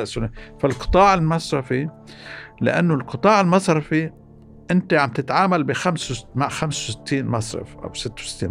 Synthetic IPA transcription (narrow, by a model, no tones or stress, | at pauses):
ʔsʊnefalqɨ̥t̪ˤɑːʕɪlmasɾˤɑfi | lɪ̰ʔa̰nːolqɨt̪ˤɑːʕɪlmɑsˤɾˤɑfi | ʔɪnt̪eʕamb̚t̪ɪt̪ʕaːmalbixamswmaʕxamsawsɪ̥t̪ʰːiːnmɑsˤɾˤɑ̰fʔa̰wsɪt̪ːawsɪ̥t̪ːiːn